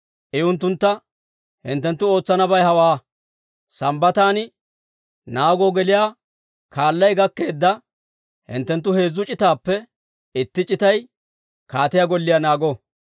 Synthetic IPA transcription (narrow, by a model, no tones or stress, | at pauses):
ʔɪʊnt̪ːʊnt̪ːɐ | hɪ̰nt̪ːɛnt̪ːʊo̞ːt͡sːɐnɐbɐjhɐwaː | sɐmbɐt̪aːnɪ | naːɡɔɡɛlɪjaː | kʰaːlːɐjɡɐkːe̞ːd̪ːɐ | hɪ̰nt̪ːɛnt̪ːʊhe̞ːzːʊt͡ʃʼɪt̪aːpːɛ | ɪt̪ːɪt͡ʃʼɪt̪ɐj | kaːt̪ɪjaɡɔlːɪjanaːɡɔ